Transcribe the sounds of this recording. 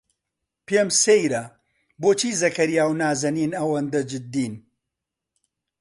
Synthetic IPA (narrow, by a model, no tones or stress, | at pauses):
pemsejɾɐ | boːt͡ʃʰiːzɐkɐɾjaːwnaːzɐniːnɐwɐnd̪ɐd͡ʒɪd̪ːiːn